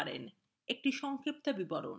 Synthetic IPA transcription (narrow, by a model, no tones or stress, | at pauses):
ɾḛn | ek̚ʈiʃɔŋkip̚t̪abibɔɾo̰n